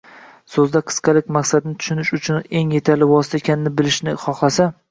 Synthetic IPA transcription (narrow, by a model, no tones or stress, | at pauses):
sɵzd̪aqʰɨ̥sqʰɑlɪk̚ʲmaqsad̪nɪt̪ʰʊ̥ʃʊnɪʃʊt͡ʃʰʊne̞ŋje̞t̪ʰaɾlɪvɒsɪ̥t̪ʰaekʲʰanɪnɪbɪlɪʃnɪχɒχlˠasa